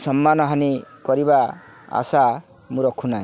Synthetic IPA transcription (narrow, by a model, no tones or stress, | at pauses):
sɔmːanɔɦanikɔɾiba | a̰sa | mũɾɔkʰunaĩ